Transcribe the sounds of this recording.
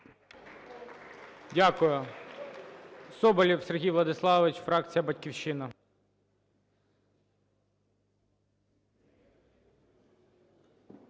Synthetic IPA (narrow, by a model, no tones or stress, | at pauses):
dʲakʊjʊ | sɔbɐlʲiwserɦʲijʋlˠɐd̪ɪslˠɑʋɪt͡ʃfɾɑkt͡sʲijɐbɐtʲkʲiwʃɪnɐ